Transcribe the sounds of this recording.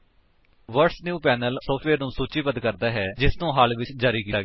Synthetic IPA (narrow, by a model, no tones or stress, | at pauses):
ʋəɾʈsnjuːpɛːnəlsɔːfʈʰʋeːɾnũːsuːt͡ʃiːbəd̪kəɾd̪aːɦɛːd͡ʒɪsnũːɦaːlʋɪt͡ʃd͡ʒaːɾiːkiːt̪aːɡɛ